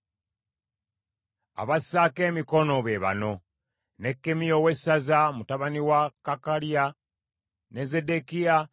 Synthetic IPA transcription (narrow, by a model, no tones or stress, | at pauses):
a̰βasake̞ːmiko̞no̞βe̞βa̰no̞ | nekːemijowe̞sazamutaβaniwakakalia | neze̞de̞kia